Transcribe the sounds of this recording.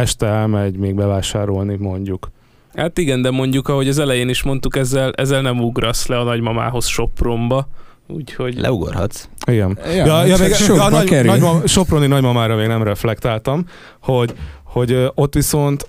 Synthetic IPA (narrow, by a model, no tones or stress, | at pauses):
ɛʃt̪ɛɛlmɛɟmeːɡ̚bɛvaːʃaːɾo̞lnimo̞ɲɟuk | haːt̪iɡɛnd̪ɛmo̞ɲɟukɒɦo̞ɟɒzɛlɛjeːniʃmo̞nt̪ukɛzːɛlʔɛ̰zːɛlnɛmuɡrɒslɛɒnɒɟmɒma̰ːɦo̞sʃo̞pro̞mbɒ | ṵːcho̞ɟlʔɛ̰uɡo̰rhɒ̰t̪siɡɛnjɒjɒmeːɡnkɛɾɒmʃo̞proninɒɟmɒmaːɾɒmeːɡnɛmrɛflɛkt̪aːlt̪ɒm | ho̞ɟho̞ɟo̞t̪ːʋiso̞nt̪